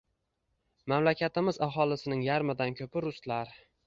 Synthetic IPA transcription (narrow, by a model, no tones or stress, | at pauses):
mamlakʲʰat̪ɪmɪzaɦɒlˠɪsɪnɪŋjaɾmɪd̪ankʲʰɵpɪɾʊst̪laɾ